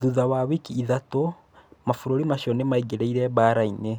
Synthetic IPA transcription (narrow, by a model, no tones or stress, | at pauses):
ðuðawawikiːðato | mafuɾoɾimaʃɔnemaiɡeɾeiɾɛβaɾaine